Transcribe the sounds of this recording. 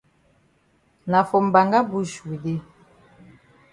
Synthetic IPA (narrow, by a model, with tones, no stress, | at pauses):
na˨fɔ˨m̩˨ba˨ŋɡa˦bu˦ʃwi˨di˦